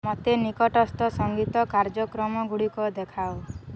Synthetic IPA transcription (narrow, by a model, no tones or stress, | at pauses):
mɔt̪enikɔʈɔst̪ɔsɔŋɡit̪ɔkaɾd͡ʒɔkɾɔmɔɡuɽikɔd̪ekʰao